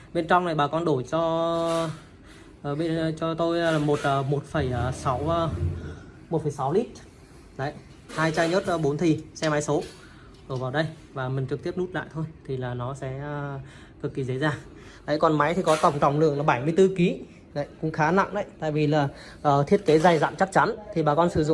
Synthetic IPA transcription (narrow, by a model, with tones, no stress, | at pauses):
ɓe˧nt͡ɕɔ˧wŋ͡mna˨˩jɓaː˨˩kɔ˧nɗo˧˩jt͡ɕɔ˧ | ʔːɓe˧n˧t͡ɕɔ˧t̪o˧jmo˨˩t̚əː˨˩mo˨˩t̚fə˧˩jəː˨˩sa˨˦w | mo˨˩t̚fə˧˩jsa˨˦wli˦˥t̚ | nə˨˧˦j | haː˧jt͡ɕaː˧ɲə˦˥t̚ʔɓo˨˦nt̪ʰi˨˩sɛ˧ma˨˦jso˨˦ | ɗo˧˩vaː˨˩wɗə˧j | vaː˨˩mï˨˩ŋ̟t͡ɕɨ˨˩k̚t̪i˦˥əp̚nu˦˥t̚la̰ː˧˨jt̪ʰo˧jt̪ʰi˨˩laː˨˩nɔ˨˦sɛ̰˨˧˦ə˧ | kɨ˨˩kːi˨˩zə̰˧˥zaː˨˩ | lə̰˧˨jkɔ˨˩nma˨˦jt̪ʰi˨˩kɔ˨˦t̪ə˧˩wŋ͡mt̪a˧˩wŋ͡mlɨ̰˧˨əŋlaː˨˩ɓa˧˩jmɨ˧əjt̪ɨ˧ki˨˦ | na̰˧˨jkʊ̰˧˥ŋ͡mxaː˨˦na̰˧˨ŋʔa̰˧˨jt̪a̰ː˧˨jvi˨˩laː˨˩ | ʔəː˨˩t̪ʰi˦˥ət̚ke˨˦za˨˩jza̰ː˧˨mt͡ɕa˦˥k̚t͡ɕa˨˦nt̪ʰi˨˩ɓaː˨˩kɔ˧nsɨ˧˩zʊ̰˧˨